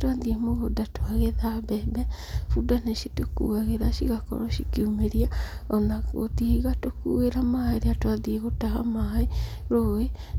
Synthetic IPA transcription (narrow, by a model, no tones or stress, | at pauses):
twaðiemoɣodatoaɣeðabɛbɛ | fudaneʃitukṵaɣeɾaʃḭɣakɔ̰ɾɔʃikiumeɾiaɔnaɣo̰tihiɣatokṵeɾamaeɾeatoaðieɣotaɦamae | ɾoe